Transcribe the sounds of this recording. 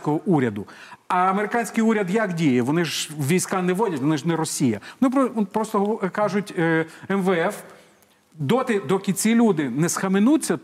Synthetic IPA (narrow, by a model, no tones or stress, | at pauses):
kɔɦɔʔuɾʲɐd̪ʊɐɐmeɾɪkɑnʲsʲkɪjuɾʲɐd̪jɐkdʲijɛʋɔnɪʒʋʲijsʲkɑnɛʋɔdʲɐtʲʋɔnɪʒnɛɾɔsʲijɐʋɔnɪp̪pɾɔst̪ɔɦkɑʒʊtʲːɛmʋɛɛf | d̪ɔt̪ɪd̪ɔkʲit͡sʲilʲud̪ɪnɛsxɐmɪnut͡sʲːɐ